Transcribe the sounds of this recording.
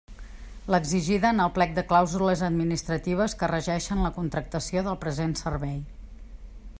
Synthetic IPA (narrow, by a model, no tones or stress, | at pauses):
ləɡziʒiðəːnəlˠplɛk̚d̪əklawzuləzəd̪minist̪ɾət̪iβ̞əskərəʒɛʃənləkunt̪ɾək̚t̪əsioðəlˠpɾəzensərβɛj